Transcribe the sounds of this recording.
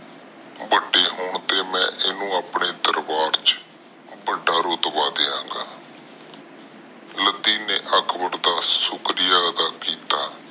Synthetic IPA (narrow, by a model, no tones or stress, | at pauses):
bəɖeːɦʊːɳt̪eːmɛ̃ːʔɪnũːaːpɳeːd̪əɾbaːɾt͡ʃ | bəɖːaːɾoːt̪baːd̪eːãːŋɡaː | ləd̪iːneːʔəkʰbəɾd̪aːsʊkɾɪjaːəd̪aːkiːt̪aː